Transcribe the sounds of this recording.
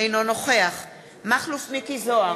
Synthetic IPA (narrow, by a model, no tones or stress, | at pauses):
ejnono̞χeaχ | maχlufmikizoa